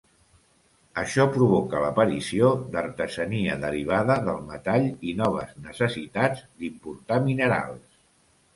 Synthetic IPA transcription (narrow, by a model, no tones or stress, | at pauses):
əʃɔpɾuβ̞ɔkələpəɾisiod̪əɾt̪əzəniəðəɾiβ̞aðəðəlˠmət̪aʎinɔβ̞ə̰znəsəsit̪add͡zd̪impuɾt̪aminəɾa̰lˠs